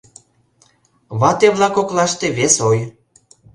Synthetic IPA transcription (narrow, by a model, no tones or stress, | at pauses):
βɑt̪eβlɑkoklɑʃt̪eβesoj